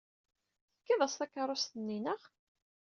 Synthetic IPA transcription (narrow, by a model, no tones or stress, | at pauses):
θə̥kːiðˤæst̪ɑkːɑɾˤost̪ənːinəʁ